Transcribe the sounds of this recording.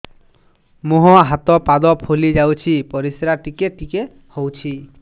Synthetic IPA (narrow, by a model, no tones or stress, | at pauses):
muɦɔ̃ɦat̪ɔpad̪ɔpʰulid͡ʒawt͡ʃʰipɔɾisɾaʈikeʈike | howt͡ʃʰi